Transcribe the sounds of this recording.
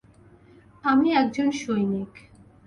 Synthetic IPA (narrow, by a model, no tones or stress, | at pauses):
amiɛk̚d͡ʑonʃojnik